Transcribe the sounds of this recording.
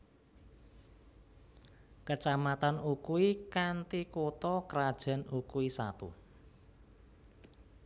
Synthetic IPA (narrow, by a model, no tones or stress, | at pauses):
kət͡ʃamat̪anukuikant̪ikot̪ɔkəɾad̥ʒ̥ä̤nukuisa̰t̪ṵ